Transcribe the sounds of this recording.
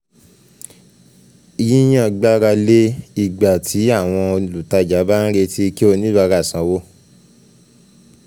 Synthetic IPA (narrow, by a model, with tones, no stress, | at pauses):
i˧ji˦j̃ã˧˨ɡ͡ba˦ɾa˧le˦i˦˨ɡ͡ba˨tʰi˨˦a˦˨w̃ɔ̃˧o˧lu˨ta˧˨d͡ʒa˨˦ba˦n̩˦ɾe˧ti˦˧ke˦o˧nĩ˦ba˧ɾa˦˨sã˨˦wo˦